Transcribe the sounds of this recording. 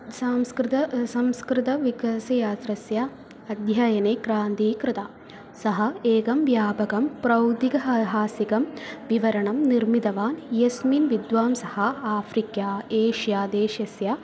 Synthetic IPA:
saːmskɾɪt̪ɐsɐmskɾɪt̪ɐʋikɐsɐjaːt̪ɾɐsja | ɐd̪ʱjɐjɐneːkɾaːnt̪iːkɾɪt̪a | sɐɦɐeːɡɐmʋjaːbɐɡɐmpɾɐwd̪iɡɐɦɐɦaːsikɐmʋiʋɐɾɐɳɐmniɾmid̪ɐʋaːnjɐsminʋid̪ʋaːmsɐhɐaːfɾikjaːeːʃjaːd̪eːʃɐsja

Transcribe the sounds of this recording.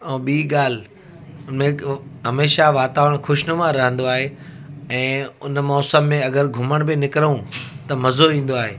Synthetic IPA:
ɛːɓiːɠaːl̤ɪ | ʊmẽɦɐmeːʃaʋaːt̪aːʋəɽ̃xʊʃnʊmãɾɐɦə̃nd̪oaːɦe | ɛ̃ːʊnmɔːsəmːẽɐɡəɾɡʱʊməɽ̃bɪnɪkɪɾũt̪ɐmɐzoĩːn̆d̪oaːɦeː

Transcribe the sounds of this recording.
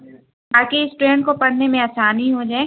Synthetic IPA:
baːkeɪsʈɾeːnkopɐɽ̤nemẽaːsaːniɦod͡ʒaːe

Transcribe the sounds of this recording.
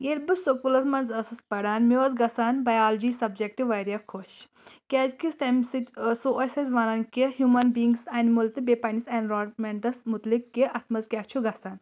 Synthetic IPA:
elbɨsokulɐt̪mɐnzɐsɨspɐɽaːnmiozɡɐsaːnbɐjaːld͡ʒiːsɐbd͡ʒek̚ʈiʋɐɾjakʰoʃ | kʲɐːzkisʈɐmsit̪soʔɐsɐzʋɐnɐːnkiɦjumɐnbiiŋɡsɐnmult̪ɨbeːpɐnisɐnɾoːmeɳʈɐsmut̪likːiʔɐt̪ʰmɐzkʲaːt͡ʃʰuɡɐsaːn

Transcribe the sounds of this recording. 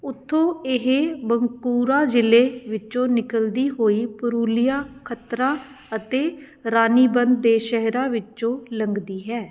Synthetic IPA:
ʊt̪ʰːõːɪɦebəŋkuːɾaːd͡ʒɪleːʋɪt͡ʃõːnɪkəld̪iːɦoːiːpʊɾuːlɪjaːkʰət̪ɾãː | ət̪eː | ɾaːniːbənd̪̚ːeːʃɛɦɾãːʋɪt͡ʃõːləŋɡd̪iːɦɛː

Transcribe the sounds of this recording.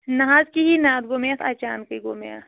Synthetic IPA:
nɐɦaːzkiɦinaːd̪ɡomejat̪ʰa̰ːt͡ʃaːnkɐɡomja̰

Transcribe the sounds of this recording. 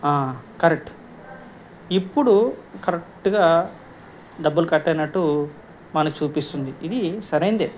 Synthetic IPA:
aːkɐɾek̚ʈ | ipːuɽukɐɾek̚ʈuɡaː | ɖ̪ɐbːulukɐʈːɛjnɐʈːu | mɐnɐkut͡ʃuːpist̪und̪iid̪isɐɾɐjnd̪eː

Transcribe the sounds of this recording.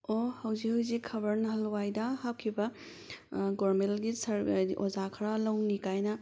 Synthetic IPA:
ohɐwzihɐwzikʰːɐbɐɾnɐɦɐlwajdɐhaw̚kʰibɐ | ɡoɾmelɡisɐɾozakʰɐɾalɐwnikajnɐ

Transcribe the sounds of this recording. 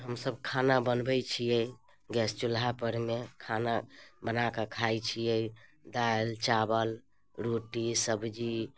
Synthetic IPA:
ɦəmsəbkʰanabənbət͡ʃʰijɛ | ɡɛst͡ʃulɦapəɾmekʰanabənakekʰajt͡ʃʰijɛd̪aelt͡ʃabəl | ɾoʈisəbd͡ʒi

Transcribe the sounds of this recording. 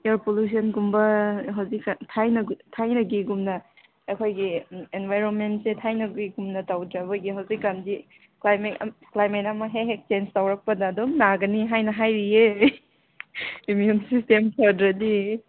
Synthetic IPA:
eɾpolus̬ʰɐnɡumbɐɦawziktʰajnɐtʰajnɐɡiɡumnɐ | ekʰojɡienbajɾonmentsetʰajnɐɡiɡumnɐtawdɾɐbɐɡiɦawzikːandi | klajmeklajmetɐmɐɦeɦek̚t͡ʃenstawɾɐk̚pɐdɐːdomnaɡɐniɦajnɐɦajɾie | imjumsistemkʰadɾɐdi

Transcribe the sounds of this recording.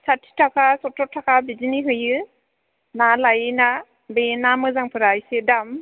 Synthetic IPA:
satʰi̥tʰakʰasɔtʰɔtʰakʰabiziniɦɯjɯ | nalajɯna | benamɯzaŋpʰɯɾajsedam

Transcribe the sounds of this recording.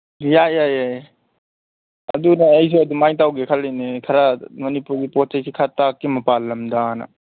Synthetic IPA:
jajaja | ɐ̰d̪unaɐjs̬ɔɐd̪umajt̪awɡekʰɐlejnekʰɐɾamɐnipuɡipɔt͡ʃajsʰikʰat̪akːemɐpalːɐmd̪ana̰

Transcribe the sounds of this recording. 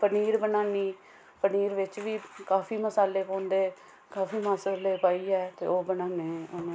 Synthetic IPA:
pəniːɾbənaːniː | pəniːɾʋɪt͡ʃʋiːkaːfʰiːməsaːleːkõːnd̪eː | kaːfʰiːmaːsaleːpaːiːɛːt̪ḛːoːbənaːneːʊñː

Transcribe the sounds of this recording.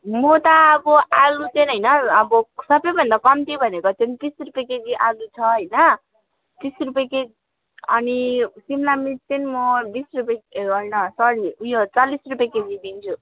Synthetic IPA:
mot̪akoʔalut̪enɦʌjnʌːbʌsʌbʌjbʱʌnd̪akʌmt̪ʰijobʱʌnekot̪ent̪isrupjeked͡ziʔalut͡sʰʌɦʌjnʌ | t̪isrupjeke | ʌnisimlamik̚t̪enmobisrupeɡʌnʌsʌɽiujot͡salːisrupjeked͡zibint͡sʰu

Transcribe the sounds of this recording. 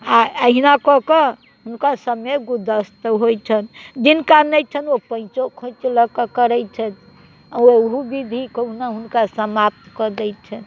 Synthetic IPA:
aəɦinakɔkə | ɦunkasəmeɡud̪əst̪əɦojt͡ʃʰənd͡ʒinkanɛjt͡ʃʰənopə̃nt͡ʃokʰõt͡ʃləkəkəɾɛjt͡ʃʰɛt̪ʰ | aeɦubid̪ʱikəɦunaɦunkasəmap̚t̪kəd̪ɛjt͡ʃʰən

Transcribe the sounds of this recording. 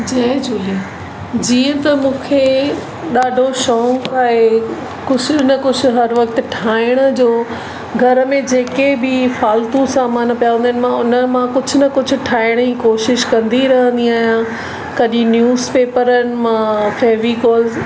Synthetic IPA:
d͡ʑɐd͡ʑuːli | d͡ʑiːə̃t̪ɐmũːkʰe | ɗaːɖʱoʃõːkaːɦe | kʊd͡ʑʱʊnɐkʊd͡ʑʱʊɦɐɾʋɐk̚t̪ʈʰaːɪɽ̃əd͡ʑoː | ɡʱɐɾəmẽd͡ʑeːkebɪfaːlt̪ũsaːmaːnpijaʋə̃ndənɪ̆mãʊnəmãkʊd͡ʑʱʊnɐkʊd͡ʑʱʊ̆ʈʰaːɪɽ̃ikoːʃɪʃkɐ̃nd̪iɾɐɦə̃nd̪iaːɦijã | kɐɗĩnjuːzpeːpəɾənɪ̆mãfɛːʋikɔːlz

